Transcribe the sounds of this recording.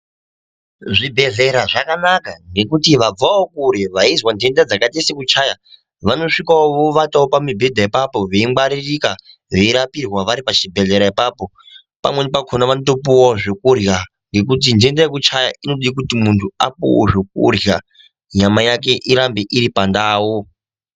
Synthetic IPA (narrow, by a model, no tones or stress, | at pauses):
ʐibʱe̞ɮe̞ɾaʐakanakaŋɡe̞kutiʋab͡vaokuɾeʋaizwande̞ndad͡zakatesekut͡ʃaːja | ʋano̞ʂikaoʋoʋataopamibʱe̞dʱaipapo̞ʋe̞iŋɡ͡baɾirika | ʋeiɾapirwaʋaɾipat͡ʃibʱe̞ɮe̞ɾaipapo̞ | pa̰mwenipakʰonaʋanotop̬uwaoʐekurja | ŋɡe̞kut̬indendajekut͡ʃajaʔino̞ɗik̬utimuntʰua̰pṵwo̰ʐek̚ṵrja | ɲamajak̬e̞ʔiɾambeʔiɾipandaːwo